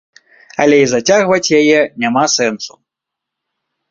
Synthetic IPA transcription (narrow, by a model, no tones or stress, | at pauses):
ɐlʲɛizat͡sʲaɣvɐt͡sʲjajɛnʲamasɛnsu̥